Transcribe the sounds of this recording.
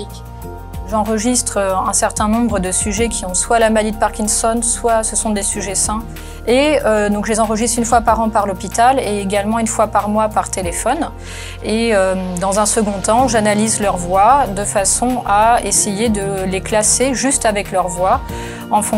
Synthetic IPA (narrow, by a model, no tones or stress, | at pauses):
k | ʒɑ̃ʁəʒist̪χøɛ̃sɛʁt̪ɛ̃nɔ̃bʁəd̪əsyʒɛkʲʰiɔ̃swalamalid̪əpaʁkʲinsɔnswasəsɔ̃d̪esyʒɛsɛ̃ | eød̪ɔ̃kʒəlezɑ̃ʁəʒist̪χynfwapaʁɑ̃paʁlɔpit̪aleːɡalmɑ̃ynfwapaʁmwapaʁt̪elefɔn | eømd̪ɑ̃zɛ̃səɡɔ̃t̪ɑ̃ʒanalizlœʁvwad̪əfasɔ̃aesejed̪əleklaseʒyst̪avɛklœʁvwa | ɑ̃fɔ̃